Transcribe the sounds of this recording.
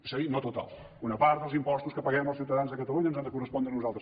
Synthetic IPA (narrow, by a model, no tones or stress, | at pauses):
səɣinot̪ut̪a̰lˠ | unəpaɾt̪d̪əlˠzimpɔst̪uskəpəɣɛməlˠsiwt̪əðanzðəkət̪əluɲənzand̪əkurəspɔnd̪ɾənuzalˠt̪ə